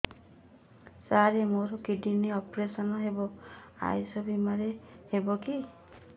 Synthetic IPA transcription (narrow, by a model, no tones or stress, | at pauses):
saɾemoɾɔkiɖiniɔpɾesɔnɔɦebɔ | a̰jsɔbimaɾehebɔki